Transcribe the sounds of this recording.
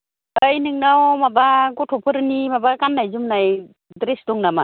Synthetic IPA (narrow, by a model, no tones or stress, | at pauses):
əjnɯŋnawmabaɡɔtʰɔpʰɯɾnimabakanːajzumnaj | dɾesdɔŋnama